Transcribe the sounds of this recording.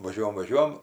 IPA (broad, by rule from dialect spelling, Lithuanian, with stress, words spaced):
ʋɐˈʒʲuɔjɛm ʋɐˈʒʲuɔjɛm